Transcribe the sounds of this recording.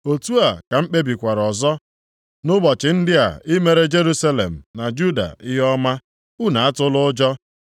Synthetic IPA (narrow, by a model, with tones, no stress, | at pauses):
o˨tu˦a˨ka˨m̩˦k͡pe˦bi˨kʷa˨ɾɔ˨zɔ˦ | nʊ˦bɔ˨t͡ʃɪ˨n̩˦dɪ˦a̰˨ɪ˦me˦ɾe˦d͡ʒe˦ɾu˦sa˦lḛ˨m̩˨na˨d͡ʒu˦da̰˨ɪ˦ɦɔ˦ma˦ | u˦na˨a˦tʊ˦lʊ˦d͡ʒɔ˦